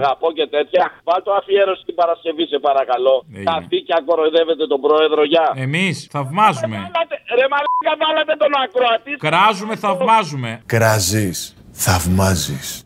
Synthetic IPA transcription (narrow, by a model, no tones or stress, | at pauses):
ɣɐpo̞ce̞t̪e̞t̪çɐvɐlt̪oɐfieɾo̞sit̪ibɐɾɐsce̞vise̞pɐɾɐkɐlo̞ɐft̪iceɐko̞ɾoðe̞ve̞t̪e̞t̪o̞bɾo̞e̞ðɾo̞ʝɐe̞misθɐvmɐzume̞lɐt̪eɾemɐlɡɐvɐlɐt̪e̞t̪onɐkɾoɐt̪iskɾɐzume̞θɐvmɐzume̞kɾɐzisθɐvmɐzis